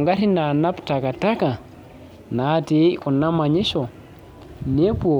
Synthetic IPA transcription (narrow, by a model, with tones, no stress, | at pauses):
ŋɡa˦ɾi˦na˨na˦pta˨ka˨ta˦ka˨ | na˨˦ti˦ku˨nːa˦ma˨ɲi˦ʃo˨ | ne˦po˨